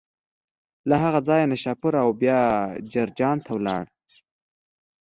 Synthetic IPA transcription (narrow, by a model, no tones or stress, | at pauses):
laɦaɣad͡zɑjenaʃapʊɾawbjɑd͡ʒaɾd͡ʒɑnt̪ʰawlɑ̰ɽ